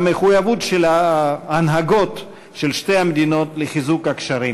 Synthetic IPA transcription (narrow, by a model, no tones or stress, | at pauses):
meχujavutʃelaːnɦaɡo̞t | ʃelʃtejamed̪ino̞tleχizukakʃaɾi